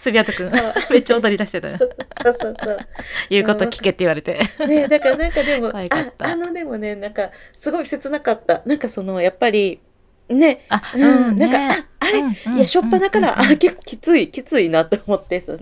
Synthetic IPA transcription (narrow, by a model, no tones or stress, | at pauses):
sɨbʲiat̪okɯ̟̃ŋ̃me̞t͡ɕaod̪oɾʲid̪aɕi̥t̪et̪a̰nsoːsoːsoːjɯ̟ːko̞t̪okʲi̥ke̞t̪ːeiβaɾe̞t̪e̞ned̪akaɾanãŋkad̪e̞mo̞aano̞d̪e̞mo̞ne̞nãŋkasɨɡo̞ise̞t͡sɨnakat̪ːanãŋkaso̞no̞japːaɾʲi | ne̞aɯ̟̃ɴnãŋkaaːɾe̞iaɕo̞pːanakaɾaʔake̞kːo̞̥kʲi̥t͡sɨikʲit͡sɨinat̪ːoomo̞t̪ːe̞so